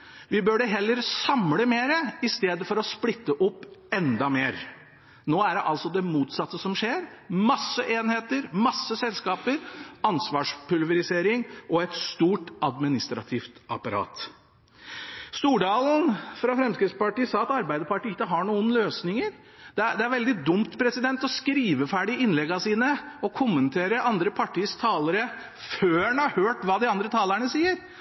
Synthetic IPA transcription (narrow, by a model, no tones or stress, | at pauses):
ʋɪbøːɖɛɦɛlːəɾsɑmləmeːɾəɪst̪eːd̪əfɔɾɔsplɪt̪ːəʔʊpːɛnd̪ɑmeːɾ | noːæɖɛʔɑlsɔd̪ɛmuːt̪sɑt̪ːəsɔmʂeːɾmɑsːəʔeːnheːt̪əɾmɑsːəsɛlskɑːpəɾɑnsʋɑːʂpʰʉlʋəɾɪseːɾɪŋʔɔɛt̪st̪uːʈɑd̪mɪnɪst̪ɾɑ̰t̪ʰɪːft̪ɑpɑɾɑ̰ːt̪ | st̪uːɖɑːln̩fɾɑfɾɛmskɾɪt̪spɑʈiːsɑːɑt̪ɑɾbæɪd̪əpɑʈiːɪkːəɦɑɳuːənløːsnɪŋəɾ | d̪̥ɛd̪ɛæɾʋɛld̪ɪd̪ʊmt̪pʰɾɛsɪd̪ɛnt̪ɔskɾiːʋəfæːɖɪɪnlɛɡɑsiːnəɔkʰʊmːənt̪ʰeːɾəʔɑnd̪ɾəpʰɑʈʰiːst̪ʰɑːləɾə | føːɛnhɑhøːʈʋɑːd̪ɪɑnd̪ɾət̪ʰɑːləɳəsiːəɾ